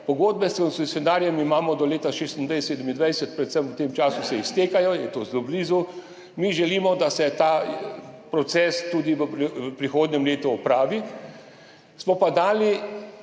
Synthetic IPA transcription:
pɔɡoːd̪̚bɛskɔnst̪usjɔnaːɾjɛmimaːmɔd̪ɔleːt̪aʃeːst̪ind̪ʋɛjsseːd̪əmind̪ʋɛjsɛt̪̚pɾɛt̪səmwt̪emt͡ʃaːsusɛist̪eːkajɔjɛt̪ozlobliːzu | miʒɛliːmɔd̪asɛt̪aː | pɾɔt̪sɛst̪uːd̪iʋəəpɾixoːd̪nɲɛmleːt̪uɔpɾaːʋi | smɔpad̪aːli

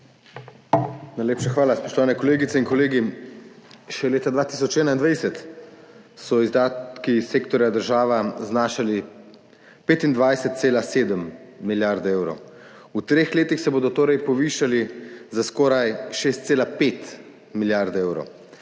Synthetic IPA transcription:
najleːpʃaxʋaːlaspɔʃt̪ɔʋaːnɛkɔleːɡit̪sɛinkɔleːɡi | ʃɛleːt̪ad̪ʋaːt̪isɔt͡ʃɛːnaind̪ʋajsɛt̪ | sɔizd̪aːt̪kiseːkt̪ɔɾjad̪əɾʒaːʋaznaːʃali | peːt̪ind̪ʋajsɛt̪̚seːlaseːd̪əmː | iljaɾd̪eːwɾow | ut̪ɾeːxleːt̪ixsɛboːd̪ɔt̪oːɾɛjpɔʋiːʃalizaskɔːɾajʃeːst̪seːlapeːt̪ | miljaɾd̪eːwɾo̰w

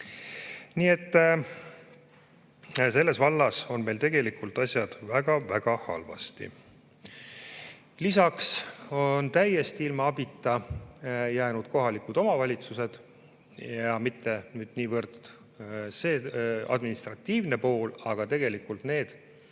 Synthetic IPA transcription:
niːe̞t̪ː | se̞lːe̞svɑlːɑso̞nme̞jlt̪e̞ɡ̥e̞likult̪ˑɑsʲjɑd̪̥væɡ̥ɑvæɡ̥ɑhɑ̰lvɑ̰st̪ḭ | lisɑkso̞nt̪æjest̪iilmɑɑbit̪ːˑɑ | jæːnud̪̥ko̞ɦɑlikud̪o̞mɑvɑlʲit̪suse̞d̪̥ | jɑmit̪ːe̞nyːd̪̥niːvɤrt̪ | seːɑ̰d̪minist̪rɑt̪ːiːvne̞po̞ːlɑɡ̥ɑt̪e̞ɡ̥e̞likːult̪ne̞ːd̪̥

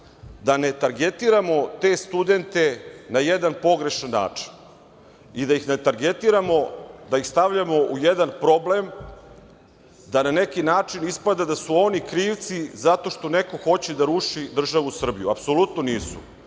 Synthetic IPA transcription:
d̪ane̞t̪aɾɡet̪iɾamo̞t̪e̞st̪ud̪e̞nt̪e̞najed̪anpo̞ɡɾe̞ʃanːa̰ːt͡ʂi̥n | id̪aixnet̪aɾɡet̪iɾamo̞d̪ajixst̪aʋʎamo̞ʔujed̪anpɾo̞ble̞m | d̪anane̞kinaːt͡ʂinispad̪ad̪asuo̞nikɾiːʋt̪sizat̪o̞ʃt̪o̞ne̞ko̞xo̞t͡ɕed̪aɾuʂid̪r̩ʒaʋusr̩bijuapso̞lut̪no̞niːsu̥̰

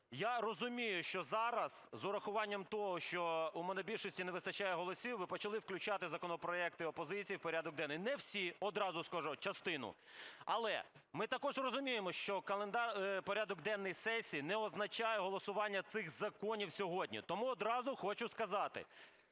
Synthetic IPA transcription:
jarɔzʊmʲijʊʃt͡ʃɔzɑɾɐz̥zʊɾɐxʊʋɑnʲːɐmt̪ɔɦɔʃt͡ʃɔumɔnɔbʲilʲʃɔsʲtʲineʋɪst̪ɐt͡ʃajɛɦɔlˠɔsʲiwʋɪpɔt͡ʃɐlˠɪwklʲʉt͡ʃɑt̪ɪzɐkɔnɔpɾɔɛk̚t̪ɪɔpɔzɪt͡sʲijiwpɔɾʲad̪ɔɡ̚d̪ɛnːjnɛwsʲiɔd̪ɾɑzʊskaʒɔt͡ʃɐst̪ɪnʊ̰ | ɐ̰lˠɛ̰ | mɪt̪ɐkɔʒrɔzʊmʲijemɔʃt͡ʃɔkɐlˠend̪ɑrpɔɾʲad̪ɔɡd̪ɛnːɪjsɛsʲiːnɛɔznɐt͡ʃajɛɦɔlˠɔsʊʋɑnʲːɐt̪sɪɣzɐkɔnʲiwsʲɔɦɔdʲnʲḭt̪ɔmuɔd̪ɾɑzʊxɔt͡ʃʊskɐzɑt̪ɪ̰

